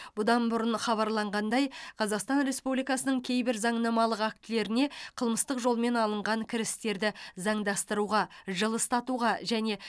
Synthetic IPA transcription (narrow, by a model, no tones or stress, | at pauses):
b̥ʊd̪ɑnbʊɾənχɑβɑɾlˠɑɴʁɑnd̪ɑjqʰɑzɑqst̪ɑnɾe̞spublijkɑsənəɴŋkʲʰe̞jbɪɾzɑɴnɑmɑlˠəqæk̚t̪ɪle̞ɾɪne̞qʰəlˠməst̪əqʒo̞lˠme̞nɑlˠəɴʁɑŋkʲʰɪɾɪst̪e̞ɾd̪ɪzɑɴd̪ɑst̪əɾuʁɑʒəlˠəst̪ɑt̪uʁɑʒæne̞